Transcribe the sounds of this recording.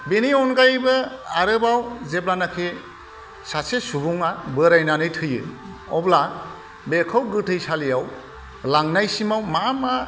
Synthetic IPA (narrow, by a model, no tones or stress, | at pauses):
beniɔnɡajbɯaɾɯbawzeblanakʰe | sasesubuŋabɯɾajnanɯjtʰɯjɯ̰ | ɔbla | bekʰawɡɯtʰɯjsalijaw | laŋnajsimawmama